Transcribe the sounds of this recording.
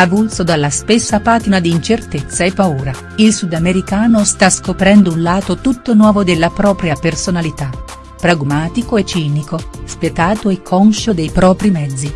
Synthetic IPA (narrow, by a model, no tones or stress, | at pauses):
avulsod̪alːaspesːapaːt̪inad̪iːnt͡ʃert̪et̪sːaepːauːɾa | ilsud̪ameɾikaːnost̪askopɾɛnd̪ounlaːt̪ot̪ut̪ːonwɔːvod̪elːapɾɔːpɾjapersonalit̪a | pɾaɡmaːt̪ikoet͡ʃːiːnikospjet̪aːt̪oekʰːɔnʃod̪ejpɾɔːpɾimɛd̪zːi